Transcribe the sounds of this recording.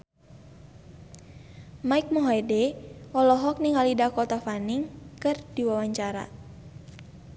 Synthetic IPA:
maik̚mɔɦɔjdɛɔlɔɦɔk̚niŋalidakɔt̪afaniŋkɨrdiwawaɲt͡ʃaɾa̰

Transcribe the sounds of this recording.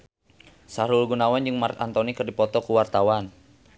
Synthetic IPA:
saɾulɡunawand͡ʒɨŋmart̪a̰nt̪ɔnikɨrdipɔt̪ɔkuwart̪awan

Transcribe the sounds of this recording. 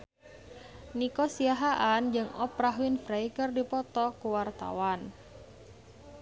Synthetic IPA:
nikɔsiaɦaʔand͡ʒɨŋɔpɾaɦuɪnfɾaikərdipɔt̪ɔkuwart̪a̰wan

